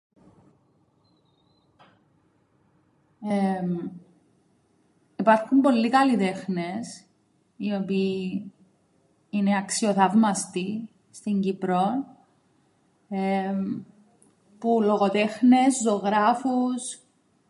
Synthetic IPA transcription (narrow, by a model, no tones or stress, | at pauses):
ipɐɾxumbo̞lːikɐlit̪e̞xnes | io̞piː | ineɐksioθɐvmɐst̪i | st̪iɲɟipɾon | pulo̞ɣot̪e̞xneszoɣɾɐfus